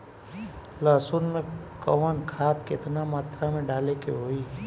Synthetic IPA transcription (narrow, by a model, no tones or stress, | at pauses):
laːsʊnmẽkəʋənkʰaːt̪kɪt̪namaːt̪ɾamẽɖaːlekḛɦoːiː